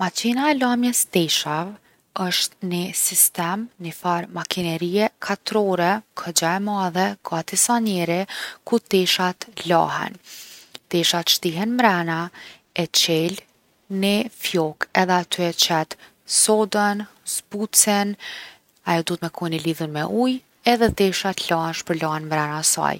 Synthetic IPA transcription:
mat͡ɕinaɛlamjɛsd̪ɛʃav | əʃt̪nisist̪ɛmnifaɾmakʰinɛɾiɛkʰat̪ɾɔɾɛkʰəd͡ʑaɛmaðɛɡ̥ad̪isaɲɛɾɛkut̪ɛʃat̪la̰ɦɛ̰nt̪ɛʃat̪ʃt̪iɦɛnmɾɛna | ɛt͡ɕɛl | nifjɔkɛðɛat̪ʰyɛt͡ɕɛt̪ | sɔd̪ənzbut͡sɛn | ajɔd̪uət̪mɛkʰɔjniliðunmɛʔuj | ɛðɛt̪ɛʃat̪lahɛnʃpəɾlaɦɛnmɾɛnasa̰j

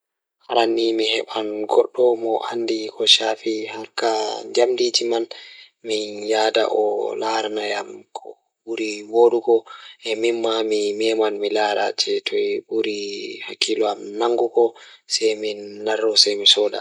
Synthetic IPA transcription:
haɾanːimihɛɓanɡɔɗːɔmɔʔandikɔʃafihaɾkad͡ʒamdid͡ʒiman | minjaːda̰ʔɔ̰laɾanajamkʰɔ | ɓuɾiwoːɗuɡɔʔɛmimːamimɛmanmilaːɾa̰t͡ʃɛtʰɔɓuɾihakʰːilɔamnaŋɡukɔsɛjminːaɾːɔsɛjmisɔːda̰

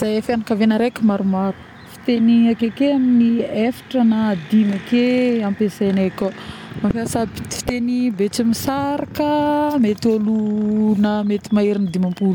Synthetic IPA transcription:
z̥ajafanakavenəɾekimaɾumaɾu̥ | fi̥t̪eniakekeaminiefi̥ʈ͡ʂənad̪imakeampeseneko | mafiasabit̪i̥fi̥t̪enibet͡simisaɾakəmet̪iolunəmet̪imaiɾinid̪imampul

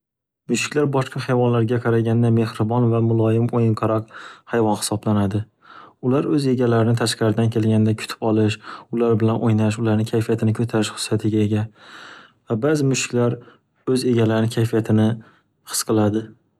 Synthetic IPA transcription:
mʊʃɪ̥kʲlaɾbɒʃqʰɑhajvɒnlaɾɡʲaqʰɑɾaɡʲand̪ame̞hɾɪbɒnvamʊlˠɒjɪmojɪɴqʰɑɾaqhajvɒnhɪ̥sɒblanad̪ɪ | ʊlaɾɵze̞ɡʲalaɾɪnɪt̪ʰaʃqaɾɪd̪ankʲʰe̞lɡʲanɪd̪akʰʊ̥t̪ʰɪ̥pɒlˠɪʃʊlaɾbɪlanʔojnaʃ̬ʊlaɾnɪkʲʰajfijat̪ʰɪnɪkʰɵt̪ʰaɾɪʃhʊ̥sːat̪ʰɪɡʲae̞ɡʲa | vabazɪmʊʃɪ̥kʲlaɾ | ɵze̞ɡʲalaɾɪnɪkʰʲajfijat̪ʰɪnɪ | hɨ̥sqʰɨlˠad̪ɪ

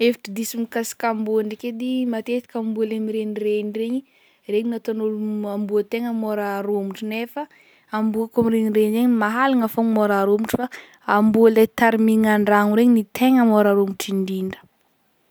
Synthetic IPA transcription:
efi̥ʈ͡ʂid̪isimikasi̥kambuaɳɖ͡ʐiked̪imat̪et̪i̥kʲambulemiɾenireɲireɲi | reɲinat̪onoluambuət̪eŋəmoɾaːɾomuʈ͡ʂunefə | ambuakomiɾeɲireɲizeɲmaɦalaŋafoŋmoɾaɾomiʈ͡ʂu̥fa | ambualat̪aɾimiŋaɳɖ͡ʐaŋuɾeɲinit̪eŋəmoɾaɾomiʈ͡ʂiɳdiɳɖ͡ʐə̥

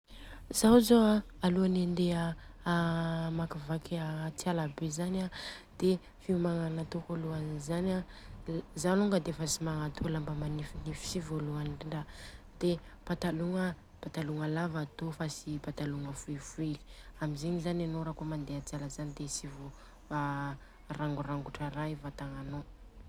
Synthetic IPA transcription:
zawzoaaluanend̪eə | makivakat͡sialabezanad̪̥e | fiumaŋanat̪okoluanizana | zaluŋɡəd̪efasimaŋat̪ʰolambəmanifinifi̥sivoluaniɳɖ͡ʐa | d̪̥e | pat̪aluŋə | pat̪aluŋəlavat̪ofasipat̪aluŋəfuelfueli̥amizeɲizananoɾakomand̪eat͡sialəzanid̪esivo | a | raŋɡuraŋɡuʈ͡ʂəɾajvat̪aŋano

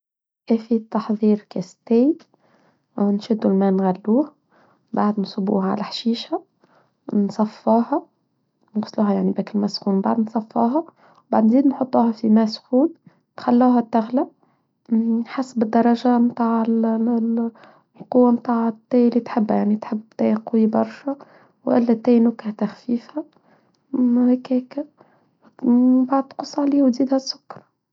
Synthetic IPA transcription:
ʔæfit̪ːɑħðˤiːɾkæst̪ɪj | nʃæd̪ːulmænɣælːuːh | baʕd̪nsˤʊbṵhʕa̰læħʃiːʃæ | nsˤɑfːɑːhɑ | nɣsˤluːɦajaʕnibæːkɪlmæsxuːnbaʕd̪nsˤɑfːɑ̰ːɦɑ | baʕd̪nziːd̪nħot̪ˤːuːhɑfimæsxuːn | nxælːuːɦæt̪ːæɣlæ | ħasːbɪd̪ːɑɾˤɑʒamt̪aːʕl | lqʊwːamt̪aʕt̪ːæjliːt̪ħɪbːjaʕnit̪ħɪbːt̪æjqwibɑɾˤʃæ | wʔæ̰lːæt̪ːæjnʊkæht̪æxfiːfhæ | hækækæ | baʕd̪̚t̪qʊsˤːʕliːwd̪iːd̪hæsːʊ̥kːɑɾˤɑ

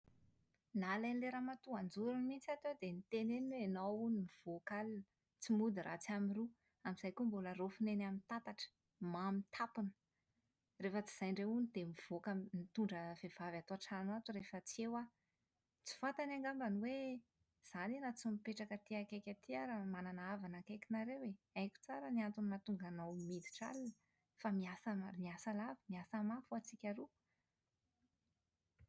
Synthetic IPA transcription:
nalanileɾamat̪uand͡zuɾunimint͡sat̪ed̪enit̪eneneenawunimiv̥okal | t͡simud̪irʔa̰t͡samiru | amiz̥ajkombulərofinenamint̪at̪aʈ͡ʂə̥ | mamint̪ʰapunə̥ | refət͡si̥z̥ajɳɖ͡ʐeunid̪emiv̥okanit̪uɳɖ͡ʐəv̥ev̥avat̪oaʈ͡ʂanat̪uɾefət͡siewa | t͡si̥fat̪anaŋɡambaniwe | z̥aninat͡simipeʈ͡ʂakət̪iakajkʲat̪iaɾəmananaavanakajkinaɾeweajkʲu̥t͡saɾəniant̪unimat̪uŋɡanawmid̪i̥ʈ͡ʂa̰linə̥ | famiasamiasalavimiasəmafuat͡sikʲaɾu

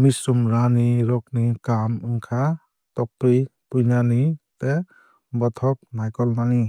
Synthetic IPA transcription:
misumɾaniɾɔk̚nikamɯŋkʰa | tɔk̚pɾipujnanit̪e | bɔt̪ʰɔk̚najkɔlnani

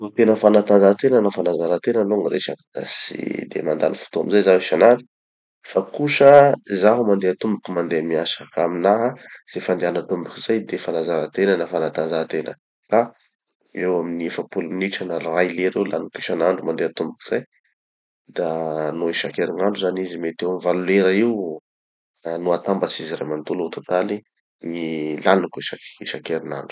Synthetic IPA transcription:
not̪enəfanat̪anzat̪enənafanazaɾat̪enəloŋɾeʈ͡ʂanasḭd̪ḛmand̪a̰nifu̥t̪ua̰mizajzaɦiʃanaɳɖ͡ʐu̥ | fakuʃəzaɦumand̪eat̪umbukumand̪emiasakaminaɦaz̥efand̪eanat̪umbukiz̥ajd̪efanazaɾat̪enənafanat̪and͡ʒat̪enə̰ | ka | ewaminiefəpuluniʈ͡ʂanəlrajleɾewla̰nukiʃanaɳɖ͡ʐumand̪eat̪umbuki̥z̥aj | d̪anoiʃakeɾinaɳɖ͡ʐuzanizimet̪ewamivalueɾəiw | anuat̪ambət͡siziramant̪ulut̪ut̪ali | ŋilanukiʃaiʃakeɾina̰ɳɖ͡ʐu̥

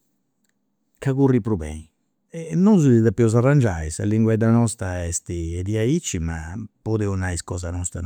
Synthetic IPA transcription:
kaɣuripɾuβɛ̰ni | ɛnːɔnzuðiðapːiɔzarand͡ʒaisa̰lːiŋɡwɛd̪anɔst̪aɛst̪iɛd̪iait͡ʃːima̰pɔd̪ɛunaiskɔːzanɔst̪ɾa

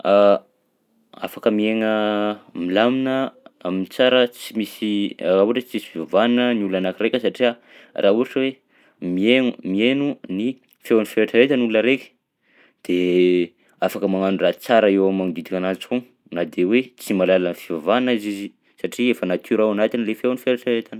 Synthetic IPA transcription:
a | a̰fakəmieŋəmilaminəamint͡saɾət͡simisirauaʈ͡ʂət͡simisifivavannəniulanakiɾekʲəsaʈ͡ʂia | rʔauaʈ͡ʂəwe | mienumienuni | fewanifeɾaʈ͡ʂaɾet̪ənuləɾekʲə̥ | d̪̥e | afakəmaŋanurat͡saɾəewamaŋd̪id̪ikʲanat͡sku | nad̪ewet͡simalalanfivavaniizizi | saʈ͡ʂiefənat̪ʰiɾawanat̪inilefewnifeɾaʈ͡ʂaet̪an

